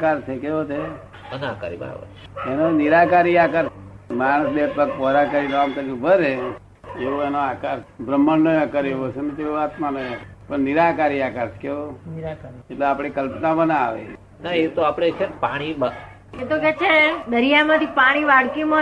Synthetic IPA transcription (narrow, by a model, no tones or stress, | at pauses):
kaɾt͡ʃʰekeʋot͡ʃʰe | əna̰ka̰ɾḭba̰ʋə̰enoniɾakaɾiakaɾmaɽ̃əsbet̪pəkpɔɾakəɾiɾamkəɾiũbəɾe | eʋoenoakaɾbɾəmːənnəakəɾeʋot͡ʃʰenet̪eoat̪mãnəjpəɳniɾakaɾiakaɾt͡ʃʰe̥keʋoniɾakeʈleapɽ̃ikəlpnãbənaaʋḛ | naet̪oapɽ̃et͡ʃʰenpaɽ̃iba | et̪okɛt͡ʃʰed̪əɾijamãt̪ʰipaɽ̃iʋaɽkimã